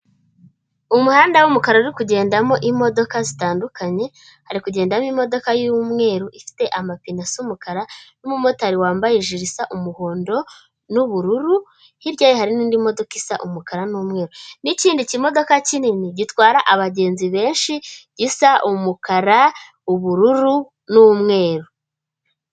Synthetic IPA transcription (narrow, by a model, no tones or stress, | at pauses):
umuhaːndawumukaɾauɾikuɟe̞ːndamo̞ʔimo̞do̞kazitaːndukʰaɲe̞ | haɾikuɟe̞ːndamimo̞do̞kajumŋe̞ːɾuʔifi̥te̞ʔamapinasjumukaɾanumumotaɾiwaːmbajeʒiɾisaʔumuho̞ːndo̞ | nuβuɾuɾu | hiβɟaːjihaɾiniːndimo̞do̞kisaʔumukaɾanumŋe̞ːɾoniciːndicimo̞do̞kacininiɟitwaːɾaʔaβaɟe̞ːnziβe̞ːnʃiɟisaʔumukaɾa | uβuɾuɾu | numŋe̞ːɾu